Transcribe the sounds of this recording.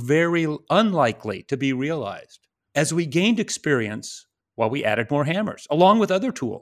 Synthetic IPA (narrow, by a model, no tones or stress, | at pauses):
vɛɹiʔə̃nlaɪkʰlḭɾɨbiɹiəla̰ɪz̥d̥ | ɨzwiɡẽɪ̃ndɨkspɪɹiɨ̰̃ns | waɪlˠwiʔæ̰ɾɨd̚mɔɹɦæ̃mə̰˞z̥əlɔ̃ŋwəðʌðə˞tʰṵlˠ